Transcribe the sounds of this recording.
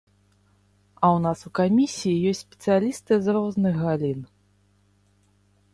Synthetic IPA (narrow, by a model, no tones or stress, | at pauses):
ɐwnasukamʲisʲijijɔsʲtʲsʲpʲɛ̥t̪sɨjalʲist̪ɨzɾɔznɨɣɣalʲin